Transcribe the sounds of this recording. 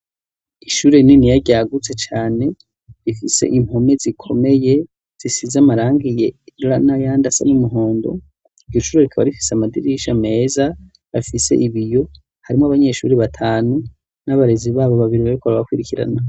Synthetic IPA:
iʃuːɾe̞ninijaɟaːɡut͡se̞t͡ʃaːne̞ | ɾifise̞̰ʔim̥ho̞me̞zikʰo̞̰me̞je̞ | z̥isizamaɾaːŋɡije̞ɾuɾanajaːndasa̰numuɦo̞ːndo̞̰ | iɟoʃuːɾeɾikʰaβa̰ɾifi̥seamadiɾiʃame̞ːza | βafise̞̰ʔiβijo̞ | haɾimoaβaɲe̞ʃṵːɾiβatʰaːnu | naβaɾeziβaːβoβaβiɾiβaɾikʰoβaβakwiɾikiɾa̰na

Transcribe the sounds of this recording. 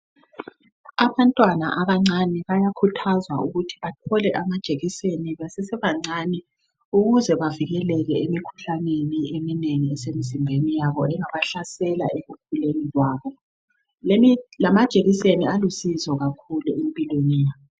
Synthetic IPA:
aβantʼwana̰ʔaβaŋ͡ǀaniβajakʰutʰazwa̰uɣutʰi̥βatʰɔlɛʔamad̥ʒ̥ʱeɣiseniβɛsɛsɛβaŋ͡ǀani | uɣuzɛβaviɣɛlɛɣɛemikʰu̥ɬaneniemineŋiɛsemizimbʱenijaβɔɛŋaβaɬasɛla̰ʔeɣukʰulenilwaːβɔ | lamad̥ʒ̥ʱeɣisenialusizɔɣakʰuluempʼilwenijaβɔ

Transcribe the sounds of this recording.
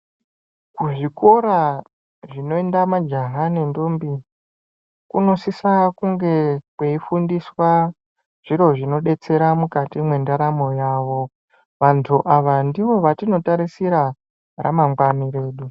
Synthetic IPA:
kuʐiko̞ɾa | ʐino̞endamad͡ʒaɦanendombi | kuno̞sisakuŋɡe̞kweifundiswa | ʐ̥iɾo̞ʐino̞ɗe̞t͡se̞ɾamukatimwe̞ndaɾamo̞jaːʋo̞ | ʋantʰuʔaʋandiʋo̞ʋatino̞taɾisiɾa | ra̰maŋɡwaniɾe̞ːɗu

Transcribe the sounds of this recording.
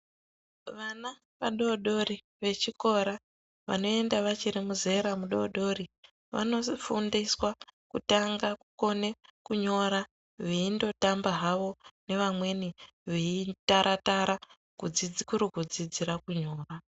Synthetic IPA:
ʋana | ʋaɗo̞ɗo̞ɾi | ʋe̞t͡ʃiko̞ɾa | ʋa̰no̞e̞ndaʋat͡ʃiɾimuze̞ɾamuɗo̞ɗo̞ɾi | ʋa̰no̞fundiswakutaŋɡakuko̞ne̞kuɲo̞ɾa | ʋiindo̞tambaɦaʋo̞ne̞ʋamwe̞ni | ʋiitaɾʔataɾa | kud͡zid͡zikuɾukud͡zid͡ziɾakuɲo̞ːra

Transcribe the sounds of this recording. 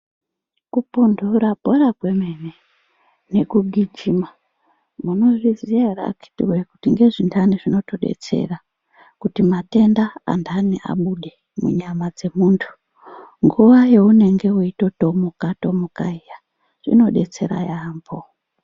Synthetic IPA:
kupundʱuɾabʱo̞ɾakwe̞mene | ne̞kuɡʱid͡ʒima | muno̞ʐizijara̰ki̥tiwekutiŋɡe̞ʐindaniʐino̞to̞ɗe̞̰t͡se̞̰ra | kutimate̞ndaa̰ndaniʔa̰ɓuɗe | mṵɲamad͡ze̞muːntʰu̥ | ŋɡuʋaje̞une̞ŋɡe̞uito̞to̞mokato̞mokaija | ʐ̥ḭno̞ɗe̞t͡se̞̰ɾa̰jaːmbo

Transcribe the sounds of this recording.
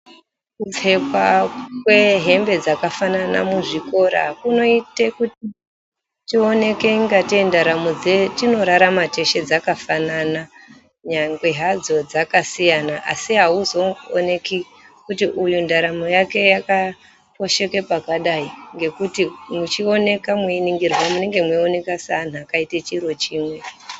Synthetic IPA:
kub͡ve̞kwakwe̞ɦe̞mbe̞d͡zakafanana̰muʐiko̞ɾa̰kuno̞ite̞kuti | tione̞ke̞ŋɡatiendaɾamod͡zetino̞ɾaɾamate̞ʃe̞d͡zakafanana | ɲaŋɡwe̞ɦad͡zo̞d͡zakasijanaʔasiɦauzo̞o̰ne̞ki | kutiʔujundaɾamojake̞jaka | po̞ʃe̞ke̞pakaɗaiŋɡe̞kutimut͡ʃio̞ne̞kamwiiniŋɡirwamune̞ŋɡe̞mwione̞kasan̤akaitet͡ʃiɾo̞t͡ʃiːmwe̞

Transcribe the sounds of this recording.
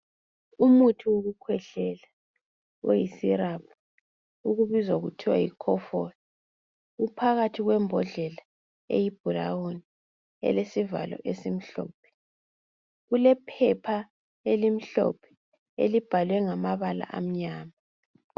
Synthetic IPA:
umutʰioɣukʰwɛɬɛla | o̰jisirap̚ʰa | uɣuβizwaɣutʰiwa̰jikʰɔfɔni | ɣupʰaɣatʰiɣwɛmbʱɔɮɛla | ḛjib̥ʱula̰woni | ɛ̰lesiva̰lɔ̰ʔesim̩ɬɔ̰ːpʰɛ̥ | ɣulɛpʰɛpʰa | elim̩ɬɔ̰pʰɛ̥ | ḛlib̥ʱalwɛŋamaβala̰ʔa̰m̩ɲaːma

